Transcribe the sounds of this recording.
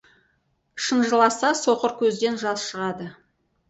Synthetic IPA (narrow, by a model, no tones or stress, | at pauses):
ʃənʒəlˠɑsɑsoqəɾkʲʰɵzd̪e̞nʒɑzʃəʁɑd̪ə